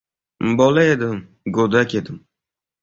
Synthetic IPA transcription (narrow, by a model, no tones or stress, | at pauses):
bɔlaed̪ɪm | ɡod̪akʲed̪ɪm